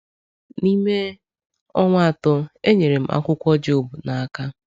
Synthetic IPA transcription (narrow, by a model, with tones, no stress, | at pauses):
ni˦me˦ | ɔ˦ŋʷa˦a˨tʊ˦e˦ɲe˨ɾe˨m̩̰˦ʔa̰˦kʷʊ˦kʷɔ˦d͡ʒo˨bu˨na˨a˨ka˦